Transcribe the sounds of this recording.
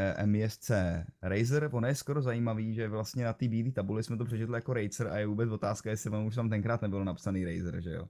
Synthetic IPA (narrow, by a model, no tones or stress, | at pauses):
ɛ̰mɪjɛst͡sɛːɾɛjzɾvonjɛskoɾo̞zajiːmaviːʒɛvlast̪ɲɛnat̪iːbiːdiːt̪abulɪsmɛt̪̬opr̥ɛt͡ʃɛt̪lɪjako̞ɾɛjt͡sɾa̰jɛvuːbɛt͡svo̞t̪aːskajɛsɪvonuʃt̪aːmt̪ɛŋkɾaːt̪nɛbɪlnapsaniːɾɛjzɾʒɛ̰jo̰